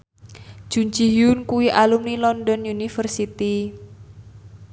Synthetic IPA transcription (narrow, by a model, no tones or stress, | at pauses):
ʒ̥uɲt͡ʃiɦjʊnkuwiʔalumnilɔnɖɔnjunifərsit̪i